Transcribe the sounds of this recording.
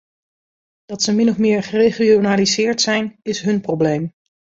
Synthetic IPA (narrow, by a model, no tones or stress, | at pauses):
d̥ɑtsəmɪnɔfmɪːɹχərejχionaːlizɪːɹtsɛjnɪsɦɵnprowblejm